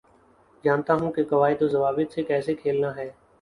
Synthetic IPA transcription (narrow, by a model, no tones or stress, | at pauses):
d͡ʒaːnt̪aːɦũkekəʋaːit̪ozəʋaːbɪt̪sekɛːsekʰeːlnaːɦɛː